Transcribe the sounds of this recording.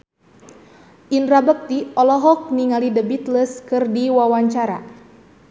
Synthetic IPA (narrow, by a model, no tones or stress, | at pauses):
ʔindɾabək̚t̪iɔlɔɦɔk̚niŋalidəbit̪ləskɨrdiwawaɲt͡ʃaɾa̰